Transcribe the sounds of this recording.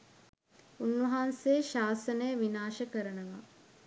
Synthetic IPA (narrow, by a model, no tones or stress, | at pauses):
unʋɐɦanseːʃaːsənəjəʋinaːʃəkəɾənəʋa